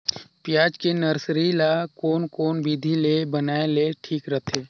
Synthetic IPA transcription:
pjaːd͡ʒkenəɾsɾilakoːnkoːnbid̪ʱilebənaːeleʈʰiːkɾət̪ʰeː

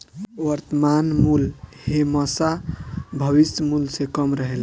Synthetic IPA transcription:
ʋəɾt̪əmanmulheməsabʱəβismulsẽkəmɾəɦel

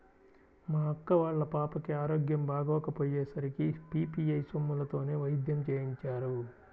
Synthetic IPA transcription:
maːɐkːɐʋaːɭːɐpaːpɐkiaːɾoːɡjɐmbʱaːɡɔːkɐpoːjeːsɐɾikipiːpiɐjsomːulɐt̪o̞ːne̞ːʋɐjd̪jɐmt͡ʃeːjiɲt͡ʃaːɾu

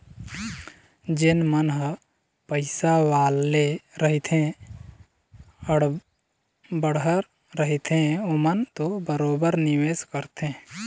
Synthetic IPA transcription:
d͡ʒɪnmənɦə | pəɪsaʋaːlːeɾəɦit̪ʰẽ | əɽ | bəɽɦəɾː | əɦit̪ʰẽomənt̪obəɾoːbəɾnɪʋeːskəɾt̪ẽː

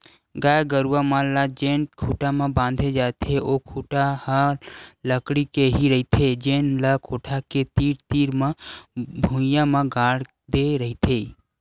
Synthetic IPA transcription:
ɡaːjɡəɾuamãlad͡ʒeːnkʰuʈamãbãːnd̪ʱed͡ʒaːt̪ʰeʔokʰuʈahaləkɽikeɦiɾəɦit̪ʰed͡ʒeːnlakʰoːʈʰaket̪iːɾt̪iːɾmãbʱũjamãɡaːɽ | d̪eɾəɦit̪ʰe

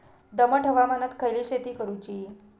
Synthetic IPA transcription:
d̪əməʈʰəʋamanət̪kʰəjliːɕet̪iːkəɾut͡ɕiː

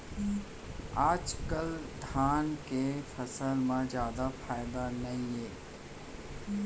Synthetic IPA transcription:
aːd͡ʒkəld̪ʱaːnkefəsəlmãzjaːd̪afʰaːjd̪anɐɦĩeː

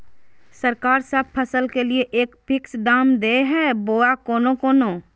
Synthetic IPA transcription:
səɾkaːɾsəb̚pʰəsəlkelieʔeːkpʰɪksɖaːmd̪eɦɛːboːakoːnõkoːnoː

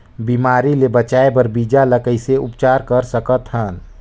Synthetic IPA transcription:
bimaːɾilebət͡ʃaebəɾbid͡ʒaləkəjseʔupt͡ʃaːɾkəɾsəkət̪ɦən

